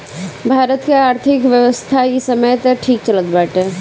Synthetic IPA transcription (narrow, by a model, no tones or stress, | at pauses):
bʱaːɾət̪keaːɾt̪ʰɪkʋjəʋəst̪ʰajisɐməjt̪əʈʰiːk̚t͡ʃɐlət̪baːʈɦɛː